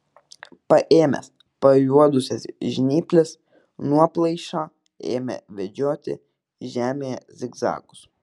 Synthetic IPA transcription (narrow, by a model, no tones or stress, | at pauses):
pɐʔeːmʲɛ̰s | pɐjuɔd̪ʊsʲɛsʒʲɪnʲiːpʲlʲɪs | nuɔplˠɐɪʃɑː | ḛːmʲɛ̰ʋʲɛd͡ʒʲoːt̪ʲɪ̰ | ʒʲæːmʲejɛzʲɪɡzɑ̰ːkʊ̥s